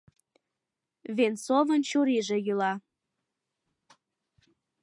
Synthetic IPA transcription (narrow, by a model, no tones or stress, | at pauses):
vensovənt͡ɕuɾiʒĕjylɑ